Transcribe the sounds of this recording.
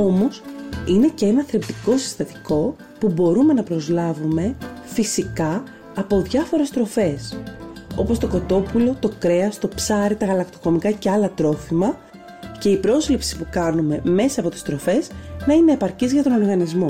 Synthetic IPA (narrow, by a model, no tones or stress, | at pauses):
o̞mo̞sine̞cee̞nɐθɾep̚t̪iko̞si̥st̪ɐt̪i̥ko̞ | pubo̞ɾume̞nɐpɾo̞zlɐvume̞fisikɐ | ɐpo̞ðʝɐfo̞ɾe̞st̪ɾo̞fe̞s | o̞po̞st̪o̞ko̞t̪o̞pulo̞t̪o̞kɾe̞ɐst̪o̞psɐɾit̪ɐɣɐlɐkt̪o̞ko̞mikɐce̞ɐlɐt̪ɾo̞fimɐ | ce̞ipɾo̞zlipsi̥pukɐnume̞me̞sɐːpo̞t̪i̥st̪ɾo̞fe̞znɐineepɐɾcizʝɐt̪o̞no̞ɾɣɐnizmo̞